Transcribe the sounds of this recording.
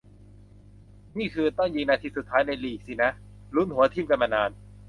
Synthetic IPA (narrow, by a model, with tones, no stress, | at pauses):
niː˥˩kʰɯː˧t̪ɔ˥˩ŋjiː˧ŋnaː˧t̪ʰiː˧su˨˩t̪ʰːaː˦˥jna˧jliː˨˩k̚si˧˩na˦˥ | lu˦˥nhu˩˦ɐt̪ʰi˥˩mka˧nma˧naː˧n